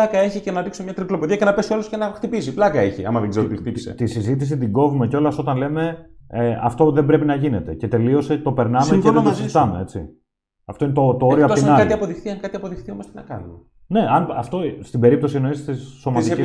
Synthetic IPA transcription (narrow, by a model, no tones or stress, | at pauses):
ɐkɐe̞çicenɐðiksomɲɐt̪ɾiplo̞poðiɐcenɐpe̞sioloscenɐxt̪ipisiplɐkɐe̞çiɐ̰mɐðeɡzeɾot̪ixtipisḛt̪isizit̪̬is̬it̪iɡo̞vumeceo̞lɐso̞t̪ɐnle̞me̞ | ɐft̪o̞ðembɾe̞pinɐʝine̞t̪e̞ce̞t̪e̞lio̞st̪et̪o̞pe̞ɾnɐmeceðet̪osizit̪ɐme̞e̞t͡sḭ | ɐft̪o̞inet̪ot̪ooɾioɐpt̪iinɐkɐiɐpo̞ðixθiɐŋkɐt̪iɐpo̞ðixθiomost̪enɐkɐnum | ne̞ɐnɐft̪o̞st̪ibe̞ɾipt̪o̞sieno̞ist̪isːo̞mɐt̪ii